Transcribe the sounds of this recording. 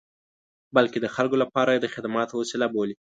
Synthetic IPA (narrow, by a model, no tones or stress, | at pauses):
balked̪əxalkolapɑɾajed̪əxɪd̪amɑt̪owosɪlaboli